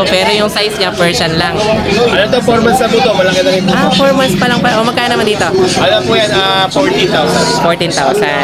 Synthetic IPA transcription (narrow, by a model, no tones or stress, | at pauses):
pɛːɾojʊŋsajsɲɐpɛɹsɐnlɐŋʔɐlot̪opoɾmɐsɐbuːt̪opɐlɐŋɪd̪ɐɡiafoɹmɐspɐlɐŋpɐʔomɐɡ̚kaːjɐnɐmand̪iːt̪o̞ʔɐlɐpuːjanafoɹt̪int̪awsɐnfoɹt̪int̪awsɐ̰n